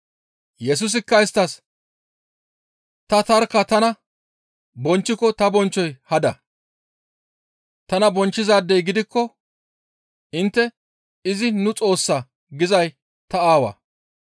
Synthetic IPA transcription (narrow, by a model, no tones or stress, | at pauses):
jɛs̬ʊs̬ɪkːɐɪst̪ːɐs | t̪ɐt̪ɐɾkɐt̪ɐnɐ | bɔnt͡ʃːɪkɔt̪ɐbɔnt͡ʃːɔjhɐd̪ɐ | t̪ɐnɐbɔnt͡ʃːɪzaːd̪ːɛjɡɪd̪ɪkːɔ | ɪnt̪ːɛ | ɪzɪnʊt͡sʼo̞ːsːa | ɡɪzɐj | t̪ɐaːwɐ̰